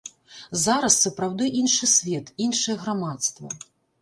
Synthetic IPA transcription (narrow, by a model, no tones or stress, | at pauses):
zaɾɐsːɐpɾawd̪ɨʔinʂɨsʲvʲɛt̪inʂɨjɛɣɾamat̪st̪vɐ̰